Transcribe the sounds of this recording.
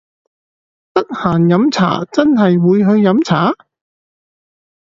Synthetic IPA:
t̪ɐ˥k̚haː˨˩njɐ˨˥mt͡sʰa̰ː˨˩t͡sɐ˥nɦɐ˨jwuː˨˧jɦɵ˧ɥːɐ˨˧˥mt͡sʰaː˨˥

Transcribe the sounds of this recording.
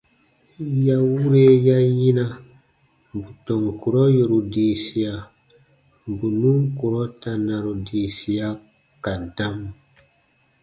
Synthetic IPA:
ja˦wu˦ɾe˦ja˦ji˦na˦ | bu˨tɔ˨ŋku˨ɾɔ˦jo˨ɾu˨di˨si˨a˨ | bu˨nu˦ŋku˨ɾɔ˦ta˨na˨ɾo˨di˨si˨a˦ | ka˨da˦m

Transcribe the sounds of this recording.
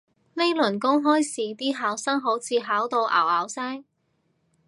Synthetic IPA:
le˥jlɵ˨˩nkʊ˥ŋɦɔː˥jsiː˨˧t̪iː˥ɦaː˨˥wsɐ˥ŋɦo˨˥wt͡sʰiː˧ɦaː˨˥wt̪o˧wʔa̰ː˨˩waː˨˥wsɛː˥ŋ

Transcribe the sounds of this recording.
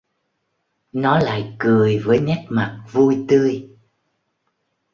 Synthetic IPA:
nɔ˨˦la̰ː˧˨jkɨ˨˩əjvəː˨˦jŋɛ˦˥t̚ma˨˩t̚vu˧jt̪ɨ˧əj

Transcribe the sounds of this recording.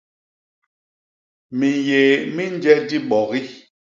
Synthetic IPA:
mi˨je˨mi˦n˦d͡ʒɛ˦di˦ɓɔ˨ɣi˦

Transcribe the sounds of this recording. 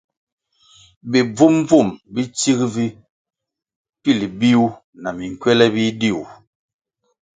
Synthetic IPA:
bi˨b͡vu˦mb͡vu˦˨mbi˦t͡ʃi˦kvi˦ | pi˦˨li˨bi˦u˦ | na˨mi˨ŋ˨kɥɛ˦lɛ˦bi˦di˦˨u˨

